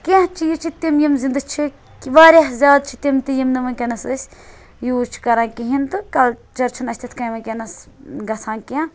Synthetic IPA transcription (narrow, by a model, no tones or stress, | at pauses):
ket͡ʃʰijit͡ʃʰit̪imjimzind̪ɨt͡ʃʰi | kiʋaːɾʲaɦzʲaːd̪̚t͡ʃʰit̪imt̪ijimnɨʋɐnkʲɐnɐsɨsʲ | juːt͡ʃʰi̥kɐɾãːnkiɦint̪ɨkɐlt͡ʃɐɾt͡ʃʰunɐsʲt̪ʰʲit̪ʰkɐjʋɐnkʲɐnɐsɡɐsʰãːnkiã